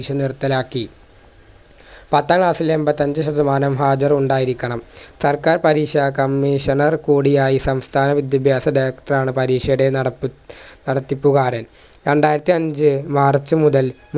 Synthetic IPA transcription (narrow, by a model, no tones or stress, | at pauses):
ʂɐnirt̪ːɐlaːkːi | pɐt̪ːaːŋkɭaːsilembɐt̪ːɐɲd͡ʑɨɕɐd̪ɐmaːnɐmɦaːd͡ʑɐruɳɖaːjiɾikʲːɐɳɐmsɐrkaːrpɐɾiːʂɐkɐmːiʂɐnɐrkuːɽijaːjisɐmst̪ʰaːnɐʋid̪jɐbʱjaːsɐɖeːkʈɐraːɳɨpɐɾiːʂɐjuɽe̞ | nɐɽɐt̪ːipːuɣaːɾɐn | ɾeɳɖaːjiɾɐt̪ːiɐɲd͡ʑɨmaːrt͡ɕːɨmuðɐl | m